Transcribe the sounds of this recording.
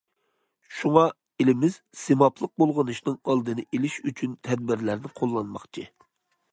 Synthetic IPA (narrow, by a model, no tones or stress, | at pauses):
ʃuŋɑ | elɪmɪz̥ | semɑpʰlˠəq̚bolˠʁənɨʃnɨŋɑlˠd̪ɨnɨʔelɪʃyt͡ʃʰynt̪ʰɛd̪̚bɪɾlæɾnɪqʰolˠːɑnmɑχt͡ʃʰɨ